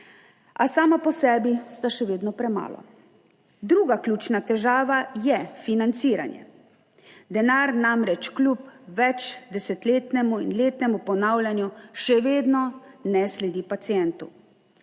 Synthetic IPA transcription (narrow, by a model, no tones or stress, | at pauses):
asaːmapɔsɛːbist̪aʃɛʋeːd̪nɔpɾɛma̰ːlɔ̰ | d̪ɾuːɡaklʲuːt͡ʃnat̪ɛʒaːʋajɛfinant̪siːɾa̰njɛ̰ | d̪ɛnaɾnamɾɛt͡ʃklupʋɛt͡ʃd̪ɛsɛt̪leːt̪nɛmuḭnleːt̪nɛmupɔnawlʲjanjuʃɛʋeːd̪nɔnɛslɛd̪iːpat̪sijɛnt̪u